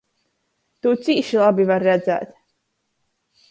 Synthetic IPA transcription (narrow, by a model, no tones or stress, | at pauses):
t̪uːt̪siːʃilˠabivaɾːæd̪zæ̰ːt̪